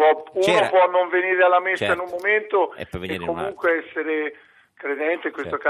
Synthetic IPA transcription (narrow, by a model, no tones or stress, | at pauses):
ɔunopwɔnːoɱveniːɾealːamesːainummoment̪oekːomuŋkweɛsːeɾe | kɾed̪ɛnt̪eiŋkwest̪oka